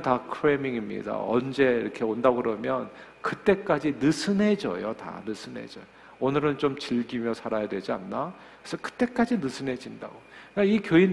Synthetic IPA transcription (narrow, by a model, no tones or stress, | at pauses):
takʰɾemiŋimɲḭda̰ʌnd͡ʑe̞iɾʌkʰe̞ondaɡɯɾʌmjʌn | kɯt͈e̞k͈ad͡ʑinɯsʰɯne̞d͡ʑʌ̰jota̰nɯsʰɯne̞̰d͡ʑʌ | onɯɾɯnt͡ɕomt͡ɕiʎɡimjʌsʰaɾajadwe̞d͡ʑianːa | ɯɾesʰʌkɯ̥t͈e̞k͈ad͡ʑinɯsʰɯne̞d͡ʑinda̰ɡokaikjoin